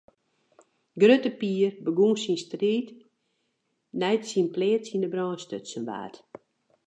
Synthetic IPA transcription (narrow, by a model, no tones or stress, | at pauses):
ɡrøtəpiːrbəɡunsinstriːt | nɛjtsinpleːtsindəbrɔːnstøtsənʋa̰ːt